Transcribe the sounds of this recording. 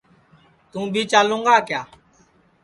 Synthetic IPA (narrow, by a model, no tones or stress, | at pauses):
t̪ũːbʱiːt͡ʃaːlũːŋɡaːkjaː